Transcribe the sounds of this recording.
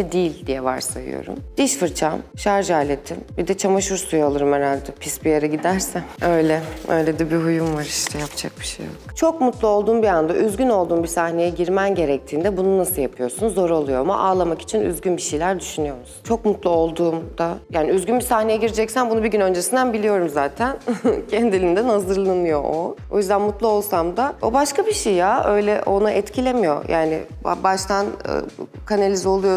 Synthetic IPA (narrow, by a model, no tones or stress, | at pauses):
ɛd̪iːilʲd̪ijɛva̰ɾsa̰jɯ̰jo̰ɾṵmd̪̥iʃfɯɾt͡ʃʰamʃaɾʒaːlʲet̪ʰimbid̪ɛt͡ʃʰamaʃuɾsujalˠɯɾɯmeɾalʲd̪ɛpʰisbijaɾaɟid̪æɾsænø̞jlʲɛø̰jlʲɛd̪ibiɦujumvaɾiʃt̪ʰɛjapd͡ʒa̰k̚bi̥ʃḛjo̰kt͡ʃʰo̞kmut̪lˠao̞lˠd̪uːmbiand̪aʔyzɟyno̞lˠd̪uːmbisahne̞jɛɟiɾmænɟe̞ɾɛc̚t̪ʰiːnd̪ɛbununasɯjapʰɯjo̞ɾsunzo̞ɾolˠujo̞ama̰ʔaːlˠamaki̥t͡ʃʰiny̰zɟʲynbiʃejlʲæɾd̪yʃynyjo̞ɾmsu̥nt͡ʃʰo̞kmut̪lˠo̞lˠd̪uːmd̪̥ajaːniyzɡʲynbisahne̞jɛɟiɾd͡ʒɛcsænbunubiɟynø̞nd͡ʒesind̪ænbilʲijo̞ɾumzaːt̪ʰæncʰɛnd̪ilʲind̪ɛnazɯɾlˠanɯjo̞ʔoo̞̰jyzd̪ænmut̪lˠao̞lˠsamd̪aobaʃkabiʃejjaʔø̞jlʲɛʔo̞naʔɛt̪cʰilʲemijo̞̰jʔaːnɪ̰ | ba̰baʃt̪ʰan̰ | kʰanalʲizo̞lˠujo